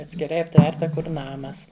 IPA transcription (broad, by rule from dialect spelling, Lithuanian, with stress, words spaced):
ɐtʲsʲkʲɪˈrɐɪ ɐpʲˈtʲʋʲɛrtɐ ˈkʊr ˈnɑːmɐs